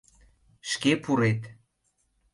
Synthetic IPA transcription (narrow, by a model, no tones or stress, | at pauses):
ʃkepuɾet̪